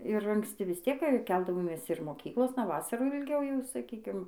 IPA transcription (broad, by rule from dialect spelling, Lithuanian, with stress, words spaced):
ɪr ɐŋksʲˈtʲɪ ʋʲɪs ˈtʲiɛk ˈkʲɛlˠdɐʋoːmʲeːs ɪr moːˈkʲiːklˠoːsnɐ ˈʋɑːsɐruː jɛʊ ɪlʲˈɡʲɛʊ jɛʊ sɐˈkʲiːkʲɪm